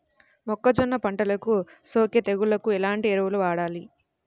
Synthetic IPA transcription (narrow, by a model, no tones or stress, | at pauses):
mɔkːɐd͡ʒɔnːɐpɐɳʈɐlɐkusoːkjɐt̪eɡulɐkuɛlaːɳʈiɛɾɐʋuluʋaːɽaːli